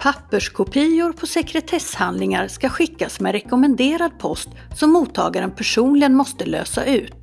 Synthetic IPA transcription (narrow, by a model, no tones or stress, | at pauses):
pʰapːəʂkʰʊpʰijʊɾpʰɔsɛkɾɛt̪ʰɛshand̪lɪŋaɾskaɧɪkːasmɛɾɛkɔmɛnd̪eːɾad̪̚pʰɔst̪ | sɔmːuːt̪ʰːɑ̰ːɡaɾənpʰæʂuːnlɪɡənmɔst̪əlø̰ːsa̰ʔʉ̟ːt̪